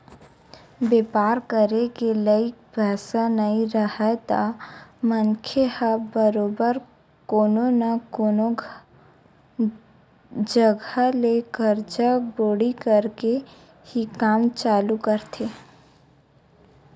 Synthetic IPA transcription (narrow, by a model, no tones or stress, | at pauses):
beːpaːɾkəɾekeləɪk̚bʱɛːsanɐĩɾəhɛt̪a̰mənkʰehəbəɾoːbəɾ | koːnonəkoːno | d͡ʒəɡʱaleːkəɾd͡ʒəboːɽikəɾke | hikaːmt͡ʃaːlukəɾt̪ʰeː